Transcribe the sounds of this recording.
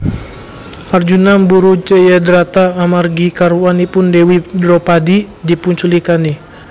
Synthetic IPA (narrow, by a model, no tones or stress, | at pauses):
ard͡ʒunambuɾut͡ʃəjadɾat̪aːmarɡikaɾuwanipʊndewidɾɔpadi | dipuɲt͡ʃulikanih